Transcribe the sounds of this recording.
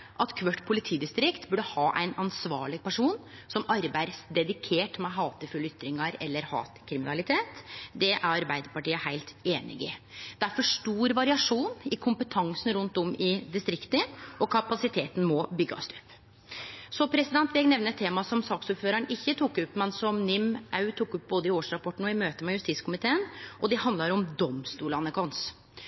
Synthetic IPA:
ʔɑt̪kʰʋœʈːpʰʊlɪt̪ʰiːd̪ɪst̪ɾɪkt̪bʉɖəhɑːʔæ̰ɪnɑnsʋɑ̰ːɭɪɡ̚pæʂuːnsɔmɑɾbæɪd̪sd̪ɛd̪ɪkʰeːʈmɛɦɑːt̪əfʉlːʏt̪ɾɪŋɑɾɛ̰lːəɾhɑ̰ːt̪kʰɾɪmɪnɑlɪt̪ʰeːt̪d̪ɛʔæɾɑɾbæɪd̪əɾpɑʈiːəhæɪlt̪eːnɪ̰ɡɪd̪̥æɾfɔʂʈuːɾʋɑɾɪɑʂuːnɪkʰʊmpət̪ʰɑŋsn̩ɾʉnt̪ɔmɪd̪ɪst̪ɾɪkt̪əʔɔkʰɑpɑsɪt̪ʰeːt̪n̩mɔbʏɡːɑ̰st̪ʉpː | sɔpʰɾɛsɪd̪ɛnt̪ʋɪlːɛɡnɛʋnəɛt̪ʰːeːmɑsɔmsɑːksuːɾføːɾəɳʔɪçːət̪ʰukːʉpːmɛnsɔmnɪmʔɑʉt̪ʰukːʉp̚boːd̪əɪoːʂɾɑpʰɔʈːn̩ɔɪmøːt̪əmɛjʉst̪iːt̪skʰʊmɪt̪ʰeːənʔɔd̪ɛhɑnd̪lɑɾɔmd̪ɔmst̪uːlɑnəkʰɑns

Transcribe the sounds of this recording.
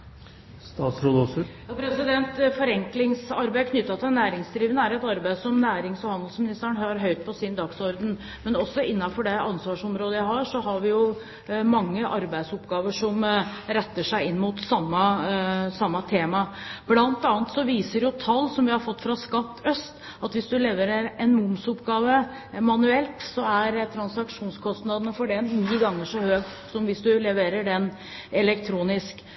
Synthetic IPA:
st̪ɑːt̪sɾoːd̪ɔsɔjɑpʰɾɛsɪd̪ɛnt̪fɔɾɛŋklɪŋsɑɾbæɪkʰnʏt̪ːɑt̪ʰɪnːæːɾɪŋsd̪ɾiːʋənəæɾɛt̪ɑɾbæɪsɔmnæːɾɪŋsɔhɑnd̪l̩smɪnɪst̪əɾæɳɦɑɾɦœʏt̪̚pʰɔsɪnd̪ɑksɔɾd̪ən | mɛnɔsːɔɪnːɑfɔɖɛɑnsʋɑːʂɔmɾoːd̪əjæɪhɑʂɔɦɑɾʋɪjʊ | mɑŋːəʔɑɾbæɪd̪sɔpɡɑːʋəʂɔmɾɛt̪ːəʂæɪɪnːmuːt̪sɑmːɑsɑmːɑt̪ʰeːmɑb̥lɑnt̪ɑːnt̪sɔʋiːsəɾjʊt̪ʰɑlːsɔmʋɪhɑɾfɔt̪ːfɾɑskɑt̪ːœst̪ | ɑt̪ʋɪsd̪ʉlɛʋəɾɛɾɛnmʊmsʊpɡɑːʋə | mɑnʉɛlt̪sɔæɾt̪ʰɾɑnsɑkʂuːnskʰɔst̪nɑd̪ənəfɔɖɛnniːɡɑŋːəʂɔhøːɡ̪̚ | sɔmʋɪsd̪ʉlɛʋeːɾəɖɛn | ɛlɛkt̪ʰɾuːnɪsk

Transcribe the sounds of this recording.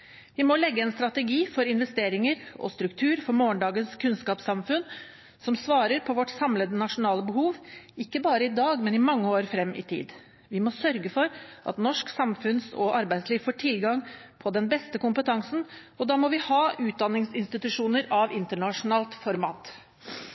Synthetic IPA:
ʋɪmɔlɛɡːəɛnst̪ɾɑt̪ɛɡiːfɔɾɪnʋɛst̪eːɾɪŋəɾɔ̰st̪ɾʉkt̪ʰʉːɾfɔɾmoːəɳɖɑːɡənskʰʉnskɑːpsɑmfʉn | sɔmsʋɑːɾəɾpʰɔʋɔʈsɑmləd̪ənɑʂʊnɑːləbəhuːʋɪkːəbɑːɾəɪd̪ɑːɡmɛnɪmɑŋːəoːɾfɾɛmːʔɪ̰t̪ʰḭːd̪ | ʋɪmɔsœɾɡəfɔɾʔɑ̰t̪nɔʂksɑmfʉnsɔ̰ʔɑɾbæɪd̪sliːʋfoːʈʰɪlɡɑŋpʰɔd̪ɛnbɛst̪əkʊmpət̪ʰɑŋsn̩ | ɔd̪ɑːmɔʋɪhɑːʔʉːt̪̚d̪ɑnːɪŋsɪnst̪ɪt̪ʉʂuːnəɾɑʋɪnt̪əɳɑʂʊnɑːlt̪fɔɾmɑ̰ːt̪

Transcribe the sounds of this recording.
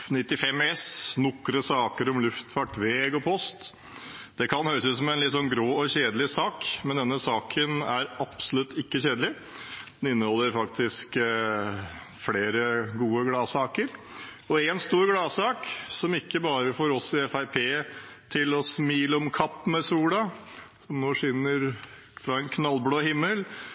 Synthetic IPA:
nɪt̪ːɪfɛmːɛsnʊkːɾəsɑːkəɾɔmlʉft̪fɑʈʋeːɡɔpʰɔst̪ | d̪̥ɛkʰɑnhœʏɾəsəsɔmɛnlɪt̪sɔnɡɾoːɔɕeːd̪əlɪsɑːkmɛnd̪ɛnːəsɑːkʰənæɾɑpsɔlʉt̪ːɪkːəçeːd̪əlɪ | d̪ɛnɪnːəhɔlːəɾfɑkt̪ʰɪsk | fleːɾəɡuːəɡlɑːsɑːkəɾ | ɔɛnst̪uːɾɡlɑːsɑːksɔmɪkːəbɑːɾəfoːɾɔsɪɛfæɪpʰeːt̪ʰɪlɔsmiːləɔmkʰɑpːmɛsuːlɑsɔmnoːʂʏnːəɾ | fɾɑɛnkʰnɑlbloːhɪmːəl

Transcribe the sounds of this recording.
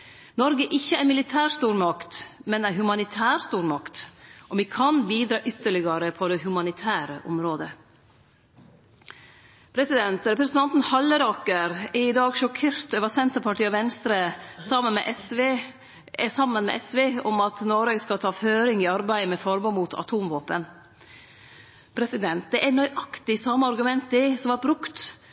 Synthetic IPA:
nɔɾɡəʔɪçːəæɾmɪlɪt̪ʰæːɾst̪uːɾmɑkt̪mɛnæɦʉmɑnɪt̪ʰæːɾst̪uːɾmɑkt̪ʔɔʋikʰɑnbiːd̪ɾɑːʔʏt̪ːəɭɪɡɑɾəpʰɔd̪ɛhʉmɑnɪt̪ʰæːɾəʔɔmɾoːd̪ə | pʰɾɛsɪd̪ɛnt̪ɾɛpɾɛsən̩ɑnt̪n̩hɑlːəɾɑːkəɾɛɪd̪ɑːɡʂɔkʰeːɾt̪oːʋəsɛnt̪əɾpʰɑʈiːɑʋɛnst̪ɾəsɑmənmɛ̰ːʔɛsʋe | ɛsɑmːənmɛ̰ʔɛsʋeːɔmɑt̪noːɾeːɡskɑlt̪ʰɑːføːɾɪŋɪɑɾbæɪmɛfɔɾbɔnmuːt̪ʰɑ̰t̪ʰuːmʋoːpən | pʰɾɛsɪd̪ɛnt̪̚d̪ɛʔænœʏʔɑkt̪ɪsɑməɑɾɡʉmɛnt̪ɪsɔmʋɑɾ̚bɾʉkt̪

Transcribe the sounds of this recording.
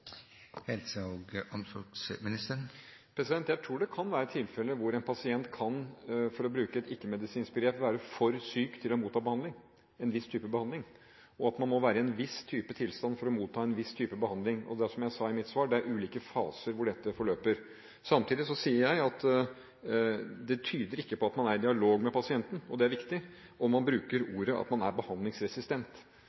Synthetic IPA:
hɛlsəoːɡɑmsɔksmɪnɪst̪əɾpʰɾɛsɪd̪ɛnt̪jæɪt̪ʰɾuːɖɛkʰɑnʋæːɾət̪ʰɪlfɛlːəʋʊɾɛɪnpʰɑsɪɛnt̪kʰɑnfɔɾɔbɾʉːkəɛt̪ɪkːəmɛd̪ɪsiːnsbəɡɾeːpʋæːɾəfɔɾsyːkt̪ʰɪlɔmuːt̪ʰːɑːbəhɑnd̪lɪŋ | ɛnʋɪst̪ʰyːpəbəhɑnd̪lɪŋ | ɔɑt̪mɑnmɔʋæːɾəɛnʋɪst̪ʰyːpət̪ʰɪlst̪ɑnfɔɾɔmuːt̪ʰɑːɛnʋɪst̪ʰyːpəbəhɑnd̪lɪŋɔ̰d̪æʂɔmjæɪsɑːɪmɪt̪sʋɑːɖɛæɾʔʉːliːkəfɑ̰ːsəɾʋʊɖɛt̪ːəfɔɭøːpəɾ | sɑmt̪ʰiːd̪ɪsɔsiːəɾjæɪɑt̪ | d̪ɛt̪ʰyːd̪əɾɪkːəpɔɑt̪mɑnæɾd̪ɪɑloːɡmɛpʰɑsɪɛnt̪n̩ɔd̪ɛæɾʋɪkt̪ɪ | ɔmmɑnbɾʉːkəɾuːɾəʔɑ̰t̪mɑnæ̰ɾbəhɑnd̪lɪŋsɾɛsɪst̪ɛnt̪

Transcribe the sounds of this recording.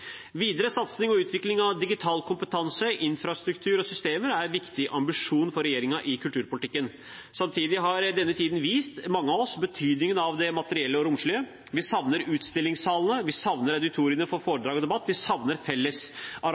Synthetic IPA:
ʋiːd̪əɾəsɑt̪snɪŋɔʉːt̪ʰʋɪklɪŋɑʋd̪ɪɡɪt̪ʰɑːlkʰʊmpət̪ʰɑnsəɪnfɾɑst̪ɾʉkt̪ʰʉːɾɔsʏst̪eːməɾæɾʋɪkt̪ɪʔɑmbɪʂuːnfɔɾɛjeːɾɪŋɑʔɪkʰʉlt̪ʉːɾpʊlɪt̪ɪkːən | sɑmt̪ʰiːd̪ɪɦɑɾd̪ɛnːət̪ʰiːd̪nʋiːst̪mɑŋːəɑʋɔsbət̪ʰyːd̪nɪŋənɑʋd̪ɛmɑt̪əɾɪɛlːəɔɾʊmʂlyːə | ʋɪsɑʋnəɾʉːt̪st̪ɪlːɪŋsɑːlnəʋɪsɑʋnəɾæʉd̪ɪt̪ʰuːɾɪənəfɔɾfoːɖ̪ɾɑːɡɔd̪ɛbɑt̪ːʋɪsɑʋnəɾfɛlːəsɑ

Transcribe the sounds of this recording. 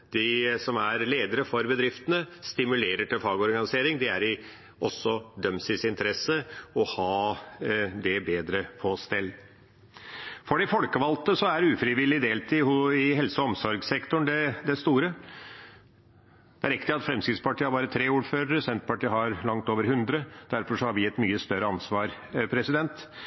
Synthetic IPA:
d̪̥ɪsɔmæɾleːd̪əɾəfɔɾbəd̪ɾɪft̪ənəst̪ɪmʉleːɾəʈɪlfɑːɡɔɾɡɑnɪseːɾɪŋd̪ɪæɾɪ | ʔɔsːɔd̪œmsɪsɪnt̪ʰəɾɛsəɔhɑː | d̪ɛbeːd̪ɾəfʰost̪ɛlː | fɔɖɛfɔlkəʋɑlt̪əsɔæɾʉːfɾɪʋɪlːɪd̪eːlt̪ʰiʊɪɦɛlsɔɔmsɔɾɡsɛkt̪ʊɳd̪ɛd̪ɛst̪uːɾə | d̪̥ɛæɾɛk̚t̪ɪɑt̪fɾɛmskɾɪt̪spɑʈʰiːəhɑɾbɑːɾət̪ʰɾeːuːɾføːɾəɾəsɛnt̪pɑʈiːəɦɑɾlɑŋt̪oːʋəɾɦʉnd̪ɾəd̪̥æɾfɔʂɔhɑɾʋɪɛt̪myːəst̪œɾəɑnsʋɑːɾ | pʰɾɛsɪd̪ɛnt̪

